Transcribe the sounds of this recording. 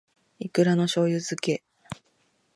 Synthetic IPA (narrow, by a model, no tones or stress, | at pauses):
ikɯ̟ɾano̞ɕo̞ːjɯ̟zɨke̞